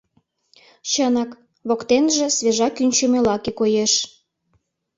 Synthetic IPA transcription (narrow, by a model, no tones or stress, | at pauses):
t͡ɕənɑk | βokt̪enʒĕsβeʒɑkynʲt͡ɕəmelɑkekojeʃ